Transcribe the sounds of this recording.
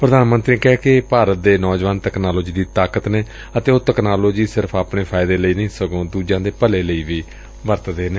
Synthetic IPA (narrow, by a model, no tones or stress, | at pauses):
pɾəd̪aːnmənt̪ɾiːkɛːkɪpaːɾət̪̚d̪eːnɔːd͡ʒʋaːnt̪ɛknaːloːd͡ʒiːd̪iːt̪aːkət̪neː | ət̪eːoːt̪ɛknaːloːd͡ʒiːsɪɾpʰaːpneːpʰaːɪd̪eːləiːnəĩːsəɡõːd̪uːd͡ʒãːd̪eːpəleːləiːʋiː | ʋəɾt̪d̪eːneː